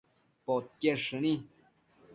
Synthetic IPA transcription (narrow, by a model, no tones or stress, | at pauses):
pot̪̚keʂɨnĩ